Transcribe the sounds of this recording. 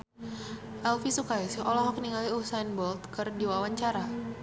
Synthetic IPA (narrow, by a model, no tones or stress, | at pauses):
ʔɛlfisukajsiʔolɔɦɔkniŋaliusajnbɔlt̪̚kɨrdiwawaɲt͡ʃaɾa